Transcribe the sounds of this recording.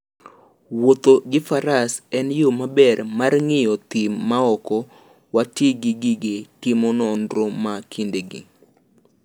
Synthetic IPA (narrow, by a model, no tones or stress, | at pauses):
wot̪oɡɪfaɾasɛnjomabɛrmarŋɪjɔt̪ɪmːaɔkɔ | watiɡɪɡɪɡetɪmɔnɔndɾɔmakʰindeɡɪ̰